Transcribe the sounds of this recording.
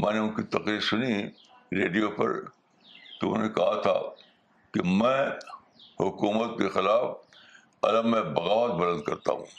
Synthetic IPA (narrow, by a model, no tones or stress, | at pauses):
mɛ̃ːneʊ̃nkit̪ɐqɾiːɾsʊni | ɾeːɖijopɐ̰ɾ | t̪oʊ̰nẽkɐɦat̪ʰa̰ | kimɛ̃ː | hʊkuːmət̪̚kexɪlaːf | ɐ̰ləmːẽbɐɣaːʋət̪̚bɐlə̃nd̪̚kɐɾt̪a̰ɦṵ̃ː